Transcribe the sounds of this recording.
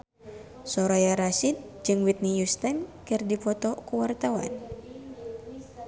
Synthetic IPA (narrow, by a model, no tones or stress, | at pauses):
sɔɾajaɾasit̪̚d͡ʒɨŋwit̪̚nijust̪ankɨrdipɔt̪ɔkuwart̪awa̰n